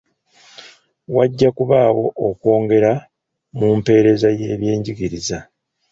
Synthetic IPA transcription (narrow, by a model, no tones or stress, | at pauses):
waɟːakuβaːwo̞okwo̞ːŋɡe̞ɾa | mumpe̞ːɾe̞zaje̞ːβje̞ːɲɟiɡiɾiza